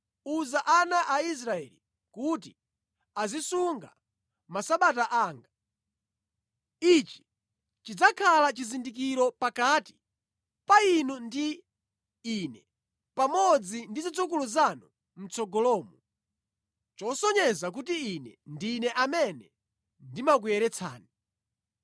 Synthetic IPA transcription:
uzaʔanaʔais̬ɾaɛli | kut̬i | azisuŋɡa̰ | masaɓataʔaːŋɡa | it͡ʃi̥ | t͡ʃid͡zakʰalat͡ʃizindik̬iɾɔpakati̥ | painundiː | nɛ | pamɔd͡zindizid͡zuk̬uluzanu | m̩t͡sɔɡɔlɔːmu | t͡ʃɔsɔɲɛzak̬utiːnɛndinɛʔamɛnɛ | ndimak̬ujɛɾɛt͡sʰa̰ːni

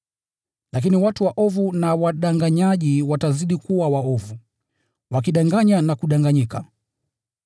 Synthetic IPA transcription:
lak̬iniwatuwaʔɔvunawaɗaŋɡaɲaʄiwataziɗikuwawaɔvu | wakiɗaŋɡaɲanakuɗaŋɡaɲika

